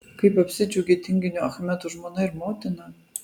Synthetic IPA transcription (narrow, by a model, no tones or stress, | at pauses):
kɐɪpɐpʲsʲɪd͡ʒʲuɡʲet̪ʲɪŋʲɡʲɪnʲuɐxɐmʲɛt̪uʒmoːnɐɪɾmoːt̪ʲɪnɐ